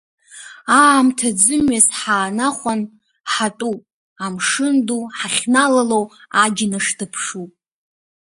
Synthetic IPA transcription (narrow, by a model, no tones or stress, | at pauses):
aːmtʰad͡zɨmɥasħaːnaχʷan | ħatʼupʼ | amʂɨnduħaχʲnalalowaɡʲɪnaʂtʰɨpʰʂupʼ